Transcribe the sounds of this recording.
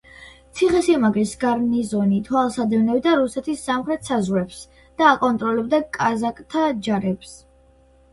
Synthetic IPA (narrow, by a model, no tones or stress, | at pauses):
t̪sʰiχɛsiɛmaɡɾisɡaɾnizɔnit̪ʰwalˠsad̪ɛvnɛbd̪aɾusɛt̪ʰisːamχɾɛt̪sazʁwɾɛps | d̪̥aːkʼɔnt̪ʼɾɔlɛbd̪akʼazakʼt̪ʰad͡ʒaɾɛps